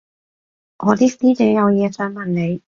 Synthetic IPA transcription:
ŋʔɔː˨˧t̪iː˥siː˥t͡sɛː˨˥jɐ˨˧wjɛː˨˧sœː˨˥ŋmɐ˨˩nne˨˧j

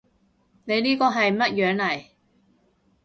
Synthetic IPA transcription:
ne˨˧jniː˥kɔː˧ɦɐ˨jmɐ˥t̚jœː˨˧ŋlɐ˨˩j

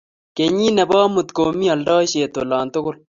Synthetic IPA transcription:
ke˨ɲi˦nɛ˨bɑː˦mʊ˨t̪ko˨mi˦ɐ˨ldɔː˦ʃe˨t̪o˨lɑː˨nt̪ʊ˦kʊ˦l

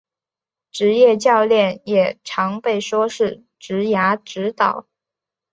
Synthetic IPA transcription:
ʈ͡ʂɻ̩˧˥jɛ˥˧t͡ɕjɑ˥˧ʊljɛ˥˩njɛ˨˩ʈ͡ʂʰɑ˧˥ŋpe˥˩ɪʂwɔ˥ʂɻ̩˥˩ | ʈ͡ʂɻ̩˧˥ja˧˥ʈ͡ʂɻ̩˧˥t̪ɑ̰˨˩˦ʊ

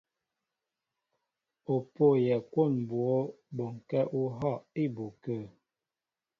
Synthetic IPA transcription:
o˨po˦˨jɛ˨kwo˦˨n˨bwo˦ | bo˨ŋ˨kɛ˦ʔu˦ɦɔ˦˨ʔi˦˨bo˨kə˦˨

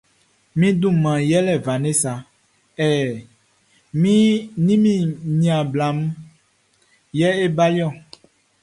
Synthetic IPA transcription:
mĩ˦d̪ũ˦˨mã˨jɛ˦lɛ˨va˨nẽ˦sa˨ | ɛ˨ | mĩ˦nĩ˦mĩ˦˨ɲĩ˨a˨bla˨m˦ | jɛ˦e˦ba˦li˦ɔ˦˨

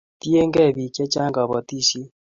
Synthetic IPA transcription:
ti˦e˦ŋɡɛ˦˨bi˨kjɛ˦t͡ʃa˦ŋɡa˨βɔ˨ti˦ʃi˦

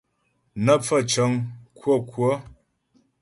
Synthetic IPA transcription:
nə˦p͡fə˦˨t͡ʃə˨˦ŋkwo˦˨kwo˦

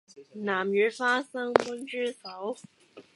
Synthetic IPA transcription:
na˨˩mjy˧˨˥fa˥sɤ˥ŋpə˥nʈ͡ʂɻ̩˥˩sa˨˥˦ʊ

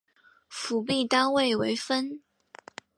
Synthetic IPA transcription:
fu˨˥p̬i˥˩t̪a˥nwe˥˩ɪwe˧˥ɪfə˥n

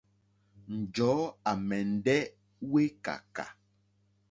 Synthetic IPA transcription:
n̩˨d͡ʒɔ˨˦a˨mɛ˨n̩˨˦dɛ˦ | we˦ka̰˨ka̰˨

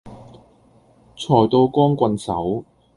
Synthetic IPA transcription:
t͡sʰɔː˨˩jt̪o˧wkɔː˥ŋkʷɐ˧nsɐ̰˨˥w

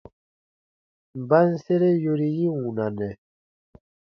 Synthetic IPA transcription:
mba˦n˦se˦ɾe˦jo˦ɾi˦ji˦wũ˨nã˨nɛ˨

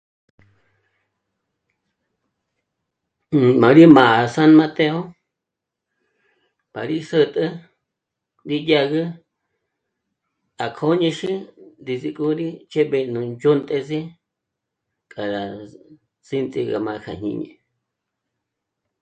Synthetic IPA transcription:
mã˨ɾi˦mã˨a˨sa˦nmã˧t̪e˧o˦ | pa˨ɾi˦sə˧t̪ʼɨ˦ | nd̪i˦ja˦˧ɣɨ˦ | a˨kʰo˧˦ɲẽ˧ʃi˦nd̪i˧zi˧kʼu˧ɾi˦t͡ʃe˦βe˧nũ˧nd͡ʒo˦nt̪ʼe˧zi˦ | kʼa˨ɾa˨ | t͡si˦nt͡sʼi˧ɣa̰˧mã˧kʰa̰˨ɲ̥ɲḭ̃˧ɲḛ̃˧˨

